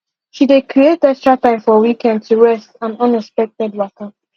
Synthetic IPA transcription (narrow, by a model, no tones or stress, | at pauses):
ʃidekʰɹietɛkstɹatãɪ̃mfɔwikɛ̃nd̚tʰuɹɛstãnʌ̃nɛkspɛk̚tɛdwakã